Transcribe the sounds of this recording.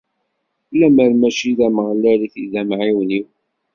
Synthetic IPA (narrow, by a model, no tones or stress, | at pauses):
læməɾmæʃiðæməʁlːæɾiθiðæmʕiwniw